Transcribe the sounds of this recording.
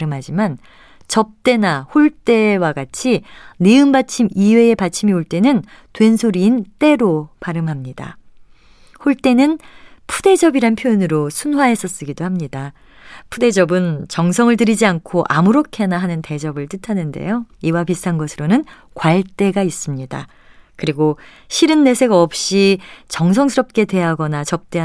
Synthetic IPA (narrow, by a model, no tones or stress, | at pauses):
ɾɯmɦad͡ʑiman | t͡ɕʌp̚t͈e̞nahoɭt͈e̞waɡat͡ɕʰineɯmbat͡ɕʰimiwe̞epat͡ɕʰimioɭt͈enɯn | twe̞nsʰoɾiːnt͈e̞ɾopaɾɯmɦamɲida̰ | hoɭt͈e̞nɯnpʰud̥e̞d͡ʑʌbiɾanpʰjojinɯɾosʰunwaɦe̞s͈ʰʌs͈ɯɡidohamɲida | pʰude̞d͡ʑʌbɯnt͡ɕʌŋsʰʌŋɯɭtɯɾid͡ʑiankʰoʔamuɾokʰe̞naɦanɯnte̞d͡ʑʌbɯɭt͈ɯtʰanɯnde̞̰joiwapistʰanɡʌsʰɯɾonɯn | kwaɭt͈e̞ɡais͈ɯmɲida̰ | kɯɾiɡo | ɕʰiɾɯnːe̞sʰe̞ɡaʌp̚ɕ͈it͡ɕʌŋsʰʌŋsʰɯɾʌp̚k͈e̞de̞ɦaɡʌnat͡ɕʌp̚t͈e̞a